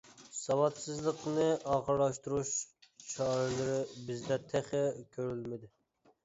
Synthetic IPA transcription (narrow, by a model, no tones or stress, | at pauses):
sɑwɑt̪sɨzlˠəqnɨʔɑːʁəɾlˠɑʃt̪uɾuʃʃɑːɾɪlɪɾɪbɪzd̪ɛt̪ʰɛχɪkʲʰøɾylmɪd̪ɪ